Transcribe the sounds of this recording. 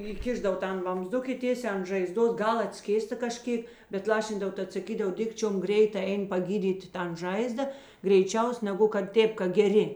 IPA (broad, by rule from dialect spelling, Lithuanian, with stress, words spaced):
iːˈkʲɪʒdɐw ˈtɐn ʋɐmzˈdʊk ɪ ˈtʲeːsʲæː ɐn ʒɐɪˈzdoːs ˈɡɐlˠ ɐtʲˈsʲkʲeːstɐ kɐˈʃʲkʲeːk bʲɛt ˈlˠɑːʃʲɪndɐw ˈtɐt sɐˈkʲiːdɐw ˈdʲɪkt͡ʃʲoːm ˈɡrʲɛɪtɐ ˈɛɪn pɐˈɡʲiːdʲiːtʲɪ ˈtɐn ˈʒɐɪzdɐ ɡrʲɛɪˈt͡ʃʲɛʊs nʲɛˈɡʊ kɐt ˈtʲeːp kɐ ɡʲɛˈrʲɪ